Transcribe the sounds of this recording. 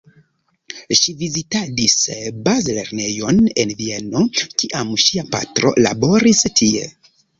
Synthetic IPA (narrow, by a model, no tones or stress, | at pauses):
ʃivizitadisbazle̞̰ɾne̞jo̞ne̞nvie̞no̞kiʔamʃiapa̰tɾo̞̰la̰bo̞ɾistʰie̞̰